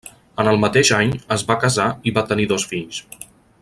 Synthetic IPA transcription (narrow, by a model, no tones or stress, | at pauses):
ənəlˠmət̪eʒaɲəzβakəzaiβat̪əniðɔsfiʎs